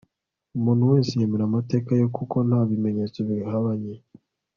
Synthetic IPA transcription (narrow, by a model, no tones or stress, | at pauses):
umuːnhuwe̞ːnsijemeɾamate̞ːkajokʰuko̞nhaβimeɲet͡so̞βihaβaɲe